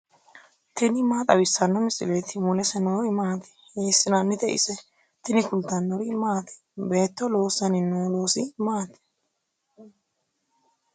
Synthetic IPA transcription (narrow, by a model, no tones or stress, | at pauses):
t̪ɪnɪmaːt̪ʼɐwɪsːɐnːɔmɪsʼɪleːt̪ɪmʊlɛsɛnoːɾɪmaːt̪ɪ̥heːsːɪnanːɪt̪ɛʔɪ̰sɛ | t̪ɪnɪkʊlt̪ːɐnːɔɾɪmaːt̪ɛ̥be̞ːt̪ːɔlo̞ːsɐnɪnoːlo̞ːsɪmaːt̪ɛ̥